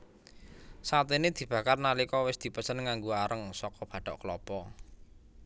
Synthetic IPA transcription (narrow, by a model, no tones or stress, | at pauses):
sat̪ened̪̥i̤b̥ä̤karnalikɔwɪsd̪̥i̤pəsənŋaŋɡuaɾəŋsɔkɔb̥ä̤ɖ̥ɔʔklɔpɔ